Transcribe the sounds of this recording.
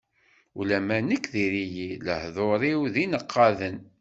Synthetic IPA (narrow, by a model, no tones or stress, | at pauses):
ulæmænəkːðiɾijilə̰hðˤoɾˤiwðinəqʰːɑðən